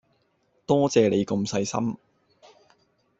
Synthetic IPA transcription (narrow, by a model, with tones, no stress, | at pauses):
t̪ɔː˥t͡sɛː˧le˨˧jkɐ˧msɐ˧jsɐ̰˥m